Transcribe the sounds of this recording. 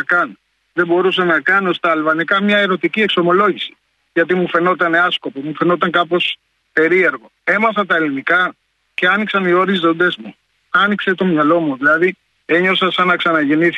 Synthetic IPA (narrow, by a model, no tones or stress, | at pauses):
ɐkɐno | ðebo̞ɾus̬ɐnɐkɐnost̪ɐːlvɐnikɐmɲɐe̞ɾo̞t̪icie̞kso̞mo̞lo̞ʝisi̥ | ʝɐt̪imufe̞no̞t̪ɐne̞ɐsko̞po̞mufe̞no̞t̪ɐŋkɐpo̞s | pe̞ɾie̞ɾɣo̞e̞mɐs̬ɐnt̪ɐelinikɐ | ce̞ɐniksɐnio̞ɾizðo̞nd̪e̞zmu | ɐnikse̞t̪o̞mɲɐlo̞muðilɐði | e̞ɲo̞sɐsɐnɐksɐnɐʝe̞niθ